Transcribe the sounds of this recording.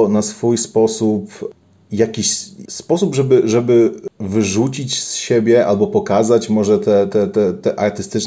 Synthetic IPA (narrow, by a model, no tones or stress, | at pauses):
nasfujspɔsup | jakʲiɕspɔsubʐɛbɘʐɛbɘvɘʐut͡ɕit͡ɕsɕebʲjɛʔa̰lbɔpɔkazat͡ɕmɔʐɛt̪ɛt̪ɛt̪ɛt̪ɛʔaɾt̪ɘst̪ɘt͡ʂ